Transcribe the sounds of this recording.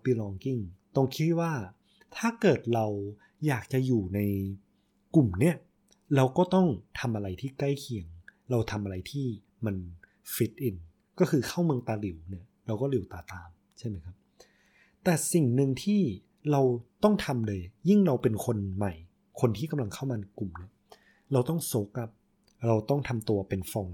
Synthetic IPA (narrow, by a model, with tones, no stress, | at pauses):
pi˧lɔː˧ŋki˥˩ŋt̪ɔ˥˩ŋkʰi˦t̪waː˥˩ | t̪ʰaː˥˩kɤː˨˩t̪̚ɾa˧w | jaː˨˩k̚t͡ɕa˨˩juː˨˩na˧j | ku˨˩mni˥˩ɐ | ɾa˧wkɔː˥˩t̪ɔ˥˩ŋt̪ʰa˧mʔa˧ɾa˧jt̪ʰiː˥˩kla˥˩jkʰi˧˩əŋɾa˧wt̪ʰa˧mʔa˧ɾa˧jt̪ʰiː˥˩ | ma˧n | fi˦˥t̪̚ʔi˧n | kɔː˥˩kʰɯː˧kʰaː˥˩wmɯ˧əŋt̪aː˧li˨˩˦wni˦˥˩ɐɾa˧wkɔː˥˩li˨˩˦wt̪aː˨˩t̪aː˧m | t͡ɕʰa˥˩jma˦jkʰa˦˥p̚ | t̪ɛː˨˩si˨˩ŋnɯ˧ŋt̪ʰiː˥˩ | ɾa˧wt̪ɔ˥˩ŋt̪ʰa˧mlɤː˧jji˥˩ŋɾa˧wpe˧nkʰo˧nma˨˩j | kʰo˧nt̪ʰiː˥˩ka˧mla˧ŋkʰa˥˩wmaː˧na˧jku˨˩mni˦˥˩ɐ | ɾa˧wt̪ɔ˥˩ŋso˦˥kla˦˥p̚ | ɾa˧wt̪ɔ˥˩ŋt̪ʰa˧mt̪u˧ɐpe˧nfɔ˧ŋ